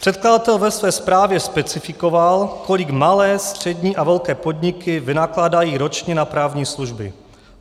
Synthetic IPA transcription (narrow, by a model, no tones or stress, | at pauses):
pr̝̥ɛt̪̚kladat̪ɛlvɛsvɛːspɾaːvjɛspɛt͡sɪfɪkovalko̞lɪɡmalɛːst̪r̝̥ɛdɲiːʔavɛlkɛːpo̞dɲɪkɪvɪnaklaːdajiːɾo̞t͡ʃɲɛnapɾaːvɲiːsluʒbɪ̰